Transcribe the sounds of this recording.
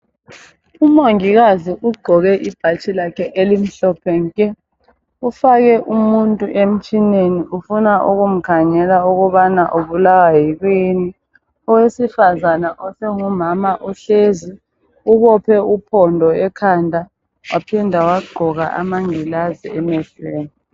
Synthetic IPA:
umoŋik̬aziʔuɡ͡ǃʱɔɣ̬ɛʔib̥ʱat͡ʃʰʼilakʰɛʔelim̩ɬɔpʰɛŋk̬ʼɛ | ufak̬ɛʔumuntʼuʔem̩t͡ʃʼineniʔufunaʔuɣum̩kʰaŋɛlauɣuɓanaʔoβulawaɦik̬wini | ɔwesifazanaʔɔseŋumamaʔɔɬeːzi | uɣɔpʰɛupʰɔndʱɔɛkʰandʱa | wapʰindʱawaɡ͡ǃʱɔɣa̰ʔa̰maŋilaziɛmɛɬeːni

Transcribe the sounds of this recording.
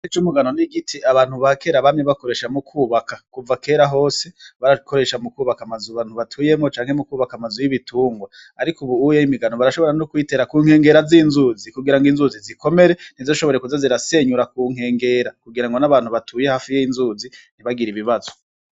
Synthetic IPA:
it͡ʃumuɡano̞niɡitʰiaβaːnhuβake̞ɾaβamɲeβako̞ɾe̞ʃamukʰuːβakakuvake̞ːɾaɦo̞ːse̞βaɾako̞ɾe̞ʃamukuːβakamazuβaːn̥huβatʰuːje̞mŋo̞t͡ʃaːŋ̥he̞mukuːβakamazujiβitʰuːŋɡwaː | ɾikuβuujeimiɡanoβaɾaʃo̞βo̞ɾanokwiːte̞ɾakuːŋ̥e̞ːŋɡe̞ɾaziːnzuːzikuɡiɾaŋɡiːnzuziziko̞me̞ɾe̞n̥izoʃo̞βo̞ɾekuzaziɾase̞ɲuɾakuːŋ̥e̞ːŋɡe̞ːɾakuɡiɾaŋɡo̞naβaːn̥uβatʰuːje̞haːfijeinzuːzin̥iβaɡiɾiβiβazo

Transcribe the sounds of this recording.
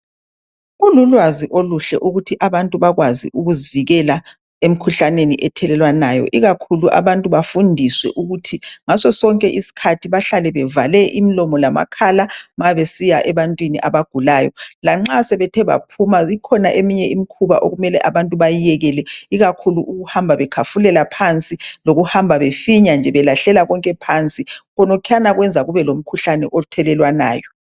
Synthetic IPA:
ululwaziʔoluɬɛ̰ʔuɣutʰiʔaβantʼuβaɣwazḭʔuɣuziviɣɛla | em̩kʰuɬaneniʔɛtʰɛlɛlwanaːjɔ̰ʔiɣakʰuluʔa̰βantʼuβafundʱiswɛ̰ʔuɣutʰiŋasɔsɔŋkʼɛʔisi̥kʰatʰiβaɬalɛβɛvalɛʔimilɔmɔlama̰kʰalamaβesijaʔɛβantʼwiniʔaβaɡ̥ʱulajɔ̰laŋ͡ǁasɛβɛtʰɛβa̰pʰumaikʰɔnaʔemiɲɛimikʰuβa̰ʔo̰ɣumɛlɛʔaβantʼuβajijɛɣɛlɛiɣakʰuluʔuɣuhambʱaβɛkʰafulɛlapʰant͡sʼiloɣuhambʱaβefiɲand͡ʒʱɛβɛlaɬɛlaɣɔŋkʼɛpʰant͡sʼiɣɔnɔkʰɛanaɣwɛnd͡zʱaɣuβɛlom̩kʰuɬanɛʔɔtʰɛlɛlwana̰ːjɔ

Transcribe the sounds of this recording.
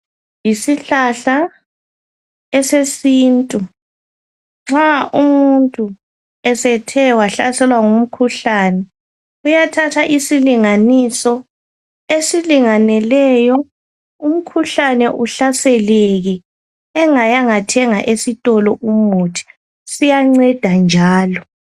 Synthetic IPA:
jisiɬaɬa | ɛsesiːntʼu | ŋ͡ǁaʔumuntʼu | ɛsɛtʰɛwaɬasɛlwaŋum̩kʰuɬaːnɛ | ujatʰatʰaʔisiliŋanisɔ | esiliŋanɛlɛjɔ | um̩kʰuɬanɛʔuɬasɛleɣɛ | ɛŋajaŋatʰɛŋaʔesitʼɔlɔʔumutʰi̥ | sijaŋ͡ǀɛd̥ʱand͡ʒʱaːlɔ

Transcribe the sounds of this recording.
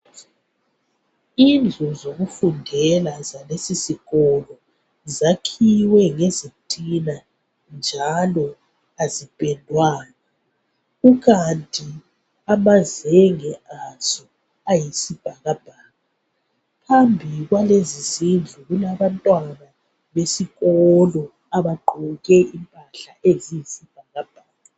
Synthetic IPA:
ind͡ɮʱuzoɣufundʱɛlazalesisiɣɔlɔ | zakʰiwɛŋezitʼina | nd͡ʒʱalɔ | azib̥ʱɛndʱwaːna | uɣantʼi | amazɛŋɛʔazɔ | ajisib̥ʱaɣab̥ʱaːŋa | pʰambʱiɣwalezizind͡ɮʱuɣulaβantʼwana | βesiɣɔlɔ | aβaǃuɣɛʔimpʼaɬaʔezijisib̥ʱaɣab̥ʱaːŋa

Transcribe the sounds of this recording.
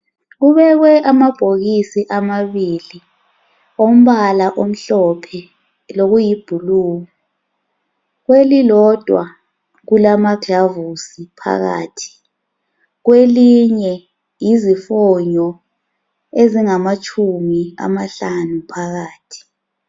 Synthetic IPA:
ɣuβɛɣwɛʔamab̥ʱoɣisiʔamaβili | om̩βalaʔom̩ɬɔpʰɛ | loɣujib̥ʱuluːɣɔ | ɣwelilɔd̥ʱwa̰ | ɣulamaɡ̥ʱavusipʰa̰ɣa̰ːtʰi̥ | ɣweliɲɛ | jizifɔɲɔ | eziŋamat͡ʃʼʰumia̰maɬanupʰaɣaːtʰi̥

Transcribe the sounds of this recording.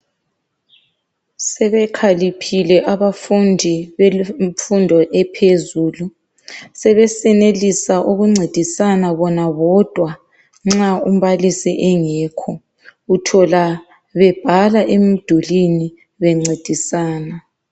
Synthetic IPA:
sɛβɛkʰalipʰilɛʔaβafundʱiβefundʱɔʔɛpʰezuːlu | sɛβɛsɛnelisaʔoɣuŋ͡ǀʱed̥ʱisanaβɔnaβɔd̥ʱwa | ŋ͡ǁaum̩βalisḭʔɛŋɛːkʰɔ | utʰɔla | βɛb̥ʱalaʔem̩d̥ʱulini | βɛŋ͡ǀed̥ʱisaːna

